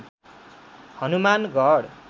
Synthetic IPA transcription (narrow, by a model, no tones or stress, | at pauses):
hʌnumanɡʱʌɽ